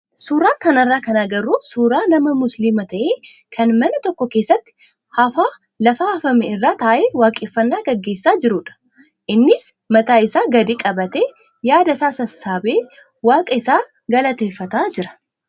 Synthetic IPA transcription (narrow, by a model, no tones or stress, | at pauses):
suːɾaːt̪ːɐnɐrːaːkɐnaɡɐɾuːsuːɾaːnɐmɐmʊslimɐt̪ʰɐʔeː | kʰɐnmɐnɐt̪ɔkːɔke̞ːsːɐt̪ːɪ̥ | hɐfaː | lɐfaːɐfɐmɛɪrːaːt̪aːʔeːwaːkʼːeːfːɐnːaːɡɐɡːe̞ːsːaːd͡ʒɪɾuːᶑɐ̥ | ʔɪnːɪs | mɐt̪aːɪsaːɡɐd̪iːkʼɐbɐt̪eː | jaːd̪ɐsaːsɐsːaːbeː | waːkʼɐɪsaː | ɡɐlɐt̪eːfːɐt̪aːd͡ʒɪɾɐ̥